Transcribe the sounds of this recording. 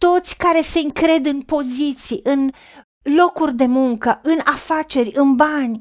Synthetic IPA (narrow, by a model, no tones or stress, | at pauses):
t̪o̞t̪sʲkaɾe̞se̞ɨŋkɾe̞d̪ɨnpo̞zit̪siʔɨn | lo̞kurʲd̪e̞muŋkəʔɨnafat͡ʃe̞rʲɨnbanʲ